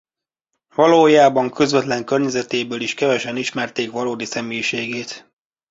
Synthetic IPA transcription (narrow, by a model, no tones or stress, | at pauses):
vɒloːjaːbɒŋkøzʋɛt̪lɛŋkø̞rɲɛzɛt̪eːbøːliʃkɛvɛʃɛniʃmɛrt̪eːkʋɒloːd̪isɛmeːjʃeːɡeːt̪